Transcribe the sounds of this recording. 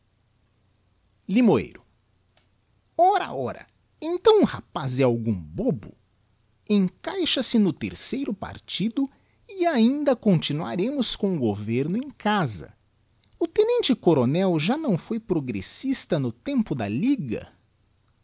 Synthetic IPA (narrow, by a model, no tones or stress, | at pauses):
limoḛjɾʊ | ɔɾa̰ɔɾɐ̰ | ẽnt̪ɐ̃w̃ũha̰pazɛ̃awɡũbobʊ̰ | ẽŋkajʃɐsɪnʊt̪ḛɾsejɾʊpa̰ɾt͡ʃid̪ʊ | ɪaĩnd̪ɐkõnt͡ʃinua̰ɾẽmʊskõw̃ʊɡoveɾnʊẽj̃kazɐ̰ | ʊt̪ẽnẽnt͡ʃɪkoɾonɛwʒanɐ̃w̃fojpɾoɡɾḛsist̪ɐnʊt̪ẽmpʊd̪ɐ̰liɡɐ̰